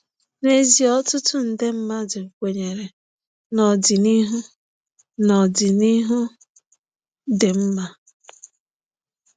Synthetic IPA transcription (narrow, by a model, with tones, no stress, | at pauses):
ne˦zi˨ɔ˦tʊ˦tʊ˦n̩˨de˦m̩˦ma˦dʊ˨kʷe˨ɲe˨ɾe˨ | nɔ˨dɪ˨ni˦ɦʊ˦ | nɔ˨dɪ˨ni˦ɦʊ˦ | de˨m̩˦ma˦